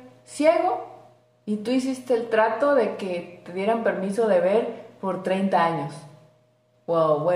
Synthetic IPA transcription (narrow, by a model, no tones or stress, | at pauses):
sjeɣo̞ | it̪uis̬ist̪e̞ːlt̪ɾat̪o̞ðe̞ke̞t̪eðje̞ɾampe̞ɾmiso̞ðe̞β̞e̞ɾpo̞ɾt̪ɾejnt̪aaɲos | wawβwe